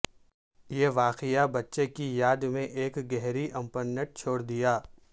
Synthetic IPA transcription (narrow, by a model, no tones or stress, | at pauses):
jeʋaːqɪjabɐtːʃekijaːd̪mẽʔeːkɡɛɦɾiʔɐ̃mpənːəʈ̚t͡ʃʰoːɽd̪ijaː